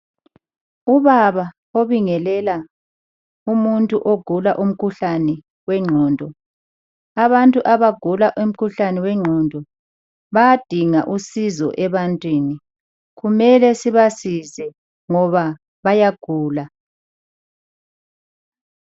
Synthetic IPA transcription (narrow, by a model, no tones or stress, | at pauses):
uβaβa | oβiŋɛlɛla | umuntʼuʔoɡ̥ʱulaʔum̩kʰuɬanɛ | wɛŋ͡ǁʱɔːndʱɔ | aβantʼuʔaβaɡ̥ʱulaʔum̩kʰuɬanɛwɛŋ͡ǁʱɔːndʱɔ | βajad̥ʱiŋa̰ʔusizɔ̰ʔɛβantʼwiːni | ɣumɛlɛsiβasisɛ | ŋɔβa | βajaɡ̥ʱuːla